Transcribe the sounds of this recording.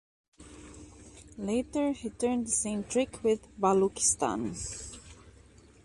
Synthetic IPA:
leɪtə˞hitʰɜ̃˞nðəsẽɪ̃mtʰɹ̥ɪkʰwɪðbalukɪ̥stã̰n

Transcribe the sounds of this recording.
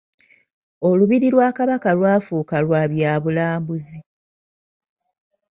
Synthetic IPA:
o̞luβiɾilwaːkaβakalwaːfuːkalwaːβjaːβulaːmbuzi

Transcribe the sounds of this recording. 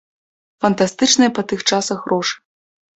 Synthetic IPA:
fɐnt̪ast̪ɨt͡ʂnɐjɐpɐt̪ɨxt͡ʂasɐxrɔʂɨ̥

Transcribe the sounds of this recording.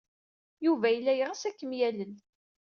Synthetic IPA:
juvæjəlːæjəʁasækːəmjælən

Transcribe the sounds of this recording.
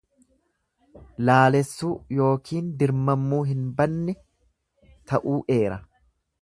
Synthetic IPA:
laːlɛsːuːjo̞ːkʰiːnd̪ɪɾmɐmːuːɦɪnbɐnːɛ | t̪ɐʔuːʔe̞ːɾɐ

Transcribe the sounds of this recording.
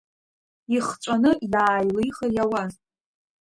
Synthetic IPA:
iχt͡ʃʷʼanɨʔilaːjlɨjχajawazʼ

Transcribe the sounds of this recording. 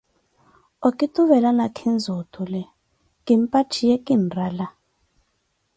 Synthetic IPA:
okʼituβɛlanakʰind͡zʱutʰʼulɛ | kʼimpʼat͡ʃʰijɛkʼinrala

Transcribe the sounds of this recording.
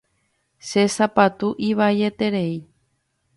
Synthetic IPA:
ʃe̞sapat̪uʔiβaje̞t̪e̞ɾe̞i

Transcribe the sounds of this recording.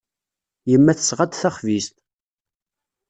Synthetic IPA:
jəmːæθə̥sʁad̪θæχvist̪

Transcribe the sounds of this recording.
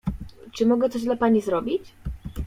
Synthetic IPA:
t͡ʂɘmɔɡɛt̪sɔʑd̪lapaɲizɾɔbʲit͡ɕ

